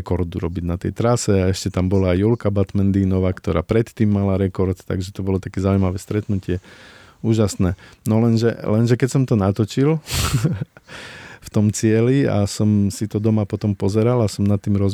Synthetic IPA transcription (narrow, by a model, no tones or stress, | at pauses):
kɔɾd̪uɾɔbiɟnat̪ɛjt̪ɾasɛaɛʃcɛt̪ambɔlaːjjulkabat̪mɛnd̪iːnɔʋaːkt̪ɔɾaːpɾɛt̪ːiːmːalaɾɛkɔɾt̪t̪a̰ɡʒɛt̪ɔbɔlɔt̪akɛzauijmaʋɛːst̪ɾɛt̪nucɪɛ | uːʒasnɛːnɔlɛnʒɛlɛnʒɛkɛcsɔmt̪ɔnat̪ɔt͡ʃil | ft̪ɔmt͡sɪɛlia̰sɔmsit̪ɔd̪ɔmapɔt̪ɔmpɔzɛɾalasɔmnat̪ːiːmɾɔz